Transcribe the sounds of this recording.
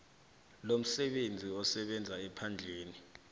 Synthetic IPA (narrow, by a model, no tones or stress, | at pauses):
lom̩sɛɓend͡zʱiɔsɛɓɛnd͡zʱaɛpʰand͡ɮʱeːni